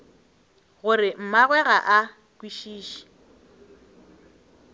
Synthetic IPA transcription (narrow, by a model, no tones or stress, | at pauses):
ɣʊrɪm̩maɣwɛɣaʔa | kwiʃiːʃi̥